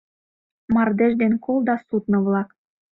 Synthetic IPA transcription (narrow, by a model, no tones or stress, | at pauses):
mɑrd̪eʒd̪enkolˠd̪ɑsut̪nɤ̆βlɑk